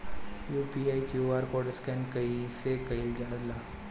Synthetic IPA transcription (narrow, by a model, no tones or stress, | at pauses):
juːpiaikjuaɾkoɖəskɛnkɐisekɐild͡ʒaːd̪la